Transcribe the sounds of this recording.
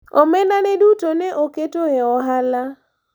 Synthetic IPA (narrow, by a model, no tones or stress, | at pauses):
ɔmɛnanɛdutonɛʔoketohɛɔɦala